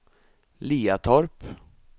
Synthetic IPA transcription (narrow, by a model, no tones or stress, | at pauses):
liːat̪ʰɔɾp